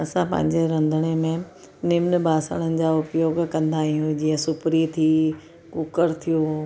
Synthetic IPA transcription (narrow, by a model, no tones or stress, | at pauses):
ɐsãpɐ̰̃ɦɪ̃ɲd͡ʑeɾɐ̃nd̪ʱəɽ̃emẽ | nɪmnə̆bʱaːsə̰ɽ̃ənɪ̆d͡ʑaʊpjoːɡkɐ̃nd̪aːɦijũd͡ʑiə̃sʊpɾit̪ʰi | kʊkəɾt̪ʰijoː